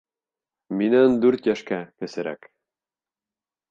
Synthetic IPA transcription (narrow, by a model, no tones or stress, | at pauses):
minænd̪ʉɾt̪jæʃkækɘ̆sɘ̆ɾæ̰k